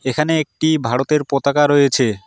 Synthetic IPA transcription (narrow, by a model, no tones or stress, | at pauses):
ekʰaneek̚ʈibʱaɽot̪eɾpot̪akaɾojet͡ɕʰe